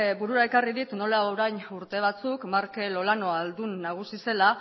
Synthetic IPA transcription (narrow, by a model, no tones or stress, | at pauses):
buɾuɾae̞kariðit̪no̞laoɾajɲuɾt̪e̞β̞at͡sukmaɾke̞lo̞lano̞ald̪unːaɣ̞usise̞la